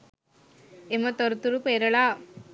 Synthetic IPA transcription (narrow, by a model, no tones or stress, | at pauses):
emɐt̪ɔɾɯt̪uɾupeɾɐɭaː